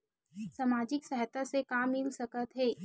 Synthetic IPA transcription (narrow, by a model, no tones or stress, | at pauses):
saːmaːd͡ʒɪksɛɦt̪asekaːmːɪlsɐkət̪ɦɛː